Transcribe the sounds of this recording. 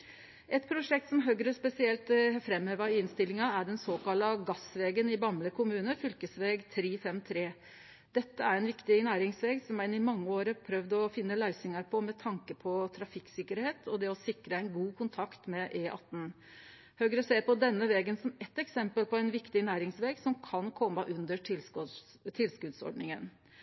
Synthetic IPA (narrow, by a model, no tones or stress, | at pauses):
ʔɛt̪̚pʰɾʊʂɛk̚t̪sɔmɦøɡɾəspɛsɪɛlt̪fɾɛmeːʋɑɪɪnst̪ɪlɪŋɑæɖɛnsoːkɑlɑɡɑsʋeːɡənɪbɑmləkʰʊmʉːnəfʏlkəsʋeːɡt̪ʰɾiːfɛmt̪ʰɾeː | d̪̥ɛt̪ːəæɾɛɪnʋɪkt̪ɪnæːɾɪŋsʋeːɡsɔmænɪmɑŋːəoːɾəpʰɾœʋd̪ɔfɪnːəlæɪsɪŋɑɾpʰɔmɛt̪ʰɑŋkəpʰɔt̪ʰɾɑfɪksɪkːəɾheːt̪ʰɔd̪ɛɔsɪkɾəæɪnɡuːkʰʊnt̪ʰɑkt̪mɛʔeːʔɑ̰t̪ːn̩ | hœːɡəɾəseːɾpɔd̪ɛnːəʋɛːɡənsɔmɛt̪ːɛksɛmpəlpɔæɪnʋɪkt̪ɪnæːɾɪŋsʋeːɡsɔmkʰɑnkʰɔmːəʔʉnd̪əʈʰɪl | t̪ʰɪlskʉd̪sɔ̰ɖnɪŋən